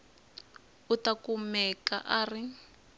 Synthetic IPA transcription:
utakumɛka̰ʔaːri

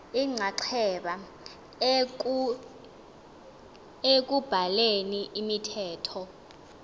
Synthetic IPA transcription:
iŋ͡ǀʱaǃʰɛɓa | ek̬ub̥ʱaleniʔːmitʰɛːtʰɔ

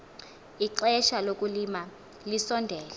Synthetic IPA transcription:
iǃɛʃalok̬ʼulima | lisɔndʱɛːlɛ

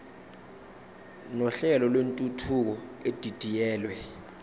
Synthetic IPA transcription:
nɔɬɛlɔlwentʼutʰuk̬ɔed̥ʱid̥ʱijɛːlwɛ

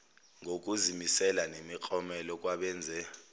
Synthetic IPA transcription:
ŋʱok̬ʼuzimisɛlanemik͡xʰɔmɛlɔk̬ʼwaɓɛːnd͡zʱɛ

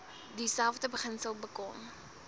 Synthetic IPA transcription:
disælˠfdəbəχənsəlˠbəkɔm

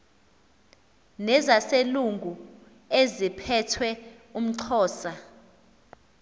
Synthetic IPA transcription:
nɛzaseluŋɡʱu | ezipʰɛtʰwɛ | um̩ǀʰɔːsa

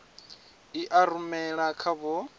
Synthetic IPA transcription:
iʔaɾumɛɺakʰaβɔ

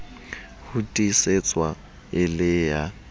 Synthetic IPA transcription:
hʊtʼiset͡sʼwa | ɪlɪja

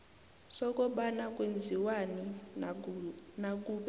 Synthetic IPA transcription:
sɔk̬ʼɔɓanakʼwend͡zʱiwani | nakʼuɓ

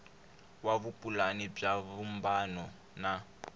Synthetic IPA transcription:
waβupʼulanib͡ʐaβumbanɔ | na

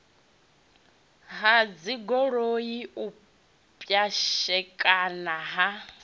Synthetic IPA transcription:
ɦad͡ziɡɔɺoiʔu | pʼjaʃɛkʼanaɦa

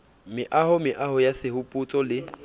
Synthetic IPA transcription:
mɪʔahʊmɪʔahʊjasɪhʊpʼʊt͡sʼɔlɪ

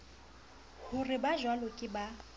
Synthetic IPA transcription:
hʊrɪbaʒwalokʼɪba

